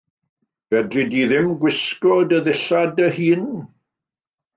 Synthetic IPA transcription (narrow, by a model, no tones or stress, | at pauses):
v̥ɛdrɨdiðɪmɡwɪskɔdəðɪɬadəhiːn